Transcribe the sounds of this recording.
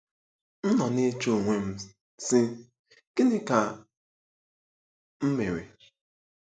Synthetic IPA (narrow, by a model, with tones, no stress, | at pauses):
n̩˦nɔ˨ne˦t͡ʃo˦˨ŋʷe˦m̩˦ | sɪ˦ | kɪ˦nɪ˦ka˨ | m̩˦me˨ɾḛ˨